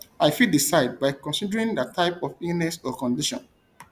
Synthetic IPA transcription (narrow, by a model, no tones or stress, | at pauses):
aɪfidisaɪd̚baɪkɔ̃nsidəɹĩŋdatʰaɪpɔfinɛsɔkɔ̃ndiʃɔ̰̃n